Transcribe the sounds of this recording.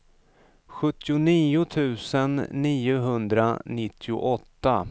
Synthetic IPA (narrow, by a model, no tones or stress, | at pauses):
ɧɵt̪ːɪʊniːʊt̪ʰʉ̟ːsənːiːʊɦɵnd̪ɾa̰nɪt̪ʰːɪʊ̰ʔɔt̪ːa